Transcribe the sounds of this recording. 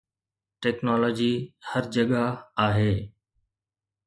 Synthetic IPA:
ʈɛːknɔːlɔːd͡ʑihəɾd͡ʑɐɠaaːɦeː

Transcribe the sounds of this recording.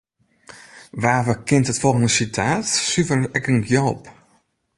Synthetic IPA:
ʋaːvəkɪnthətfolˠɣəndəsitʰaːtsyvənɛkənɡjoːp

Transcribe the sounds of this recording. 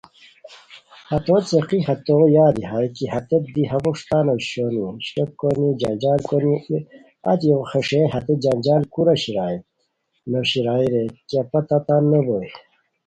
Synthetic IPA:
hɐt̪oːt͡seqihɐt̪ojaːd̪iɦajkiɦɐt̪et̪̚d̪iɦɐbuʂt̪aːnoɕoniɕʈok̚konid͡ʑɐnd͡ʑaːlkoni | a̰t̪jowxeʂeɦɐt̪ed͡ʑɐnd͡ʑaːlkuɾɐɕiɾaːi | noɕiɾaːiɾekapɐt̪at̪anːeboj

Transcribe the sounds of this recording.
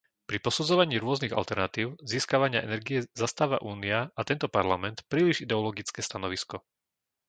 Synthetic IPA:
pɾipɔsud͡zɔʋaɲiːɾʊɔzniɣa̰lt̪ɛɾnat̪iːʊziːskaʋaɲɪa̰ʔɛnɛɾɡijɛzast̪aːʋa̰ʔuːniaat̪ɛnt̪ɔpaɾlamɛnt̪pɾiːliʒid̪ɛɔlɔɡit͡skɛːst̪anɔʋiskɔ

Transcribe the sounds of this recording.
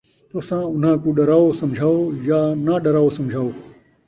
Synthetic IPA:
t̪oːsãːʊn̤ãːkũːɗɐɾaːosɐ̃md͡ʒʱaːojaːnaɗɐɾaːosɐ̃md͡ʒʱaːoː

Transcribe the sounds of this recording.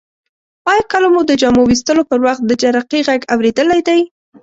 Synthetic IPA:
pɑjɑkəlamud̪əd͡ʒɑmowist̪əlopəɾwaxt̪̚d̪əd͡ʒaɾaqiɣaɡawɾed̪əlajd̪aj

